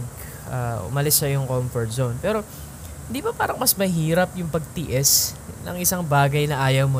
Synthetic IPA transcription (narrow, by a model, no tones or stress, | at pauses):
ɡ | ʔaːʔʊ̰mɐlɪsːɐjʊŋkomfɔɹt̪̚zownpɛːɾo̞ | hɪnd̪iːbɐpaːɾɐŋmɐsmɐɦiːɾɐpjʊŋpɐɡ̚t̪ɪʔɛsnɐ̰ŋʔɪsaŋbaːɡɐjnɐʔaːjɐwmo